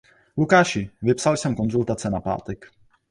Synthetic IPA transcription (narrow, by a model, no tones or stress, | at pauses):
lukaːʃɪvɪpsalsɛmko̞nzult̪at͡sɛnapa̰ːt̪ɛk